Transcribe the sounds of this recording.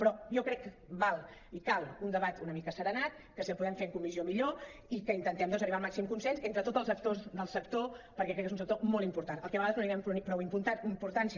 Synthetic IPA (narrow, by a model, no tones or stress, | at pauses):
pɾɔjɔkɾɛkː | balˠ | ikalˠund̪əβat̪unəmikəsəɾənat̪ | kəsəpuðɛmfeɾŋkumiziomiʎoikəint̪ənt̪ɛmd̪ɔnzəriβalˠmaksimkunsɛnsent̪ɾət̪ot̪əlˠsək̚t̪ozðəlˠsək̚t̪opəɾkɛkɾɛkːezunsək̚t̪omolˠimpuɾt̪anəlˠkɛβəɣaðəznoiɾɛmppɾɔwimpunt̪aimpuɾt̪ansi